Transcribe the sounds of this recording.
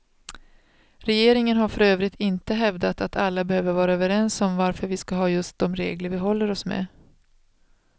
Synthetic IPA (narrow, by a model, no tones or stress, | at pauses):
ɾɛjeːɾɪŋənɦaɾfœɾøːvɾɪt̪ʰɪnt̪əɦɛvd̪at̪at̪ʰalːabɛhøːvəɾvɑːɾaøːvəɾɛnsɔmvaɾfœɾvɪskaɦɑːjɵst̪̚d̪ɔmɾḛːɡləɾvɪɦɔlːəɾɔsmḛ